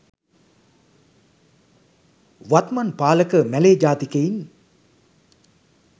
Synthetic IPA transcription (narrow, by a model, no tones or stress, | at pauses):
ʋat̪manpaːləkəmæleːd͡ʒaːt̪ikein